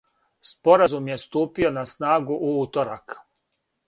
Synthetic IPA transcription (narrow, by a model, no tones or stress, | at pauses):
spo̞ɾazumje̞st̪uːpio̞nasnaːɡuʔuuːt̪oɾak